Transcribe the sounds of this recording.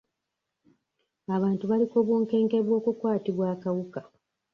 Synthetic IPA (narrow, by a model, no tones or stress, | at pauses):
aβaːntuβalikoːβwoːŋke̞ːŋkeβwo̞ːkukwaːtiβwaːkawuka